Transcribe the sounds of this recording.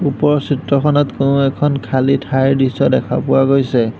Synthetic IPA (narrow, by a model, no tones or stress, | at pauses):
upɔɹsitɹɔkʰɔnɔtkonʊɛkʰɔnkʰalitʰajɹdisɔdɛkʰa̰pʊwaɡojsɛ